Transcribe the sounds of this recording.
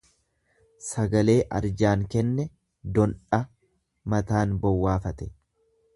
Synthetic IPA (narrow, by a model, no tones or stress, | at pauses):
sɐɡɐle̞ːʔɐɾd͡ʒaːŋkɛnːɛ | d̪ɔnᶑɐ | mɐt̪aːnbɔwːaːfɐt̪ɛ̥